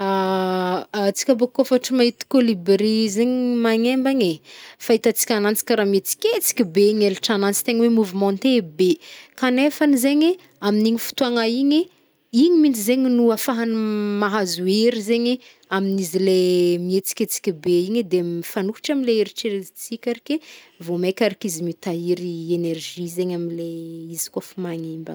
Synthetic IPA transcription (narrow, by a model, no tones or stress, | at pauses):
a | t͡si̥kʲabokofaʈ͡ʂimaɦit̪i̥kolibɾizeɲimaɲembaɲefait̪at͡si̥kʲanant͡si̥kʲaɾamiet͡si̥kʲet͡si̥kʲibeiɲeliʈ͡ʂanant͡si̥t̪eɲwemuvimɔ̃nt̪ebekanefanizeɲe | aminiɲifu̥t̪uaŋaiɲe | iɲimint͡sizeɲinuafaɦanimaɦazueɾizeɲe | aminizilemiet͡si̥kʲet͡si̥kʲibeiɲed̪emfanuki̥ʈ͡ʂamileeɾiʈ͡ʂeɾezit͡sikʲaɾikʲe | vomekʲaɾikizimit̪aiɾienerʒizeɲaminleizi̥kafimaɲimba̰